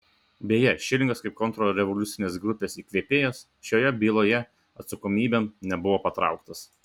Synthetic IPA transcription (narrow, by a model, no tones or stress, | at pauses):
bʲeːjɛʃʲɪlʲɪŋɡɐskɐɪp̚kɔnt̪ɾɔɾʲɛʋɔlʲʊt̪sʲɪnʲeːsɡɾʊpʲeːsiːklʲeːpʲeːjoːs | ʃʲoːjɛbʲiːlˠoːjɛ | ɐt̪sɐkɔmʲiːbʲemnʲɛbʊʋoːpɐt̪ɾɑ̰ˑʊkt̪ɐs